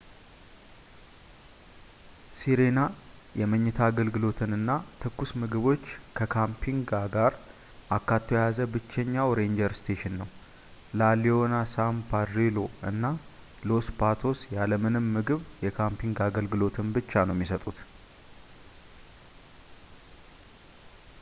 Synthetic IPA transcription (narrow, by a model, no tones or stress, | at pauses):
siɾena | jɛməɲːɨt̪ʰaːɡəlɡɨlo̞t̪ʰɨnɨnːat̪ʰɨkːusmɨɡɨβo̞t͡ʃːkʰəkʰampʰiŋɡaɡaɾ | ʔakːat̪ʰːojjazəbɨt͡ʃːɛɲːawɾe̞nd͡ʒəɾst̪ʰeʃɪnːəw | lalio̞nasampʰaɾɾilo̞ɨ̰nːa | lo̞spʰat̪ʰo̞sjaləmɨnɨmːɨɡɨβjɛkʰampʰiŋɡaɡəlɡɨlo̞t̪ʰɨnbɨt͡ʃːanəwɛmːisət̪ʼut̪